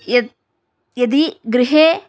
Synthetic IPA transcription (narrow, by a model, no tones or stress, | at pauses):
jɐ | jɐd̪iɡɾɪɦeː